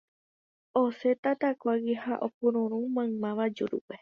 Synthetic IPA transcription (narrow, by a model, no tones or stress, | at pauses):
oset̪at̪akʷaɡihaʔopuɾõɾũmãɨ̃mãʋad͡ʒuɾṵpe